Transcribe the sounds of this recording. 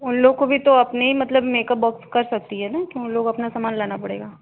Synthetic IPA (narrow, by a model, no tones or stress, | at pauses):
ʊnloːɡ̚kobʱit̪oɐpneɦimɐt̪ləbmeːkəp̚bɔːkskɐɾsɐk̚t̪iɦɛnakjõʊnloːɡɐpnasaːmaːnlaːnapɐɽḛːɡaː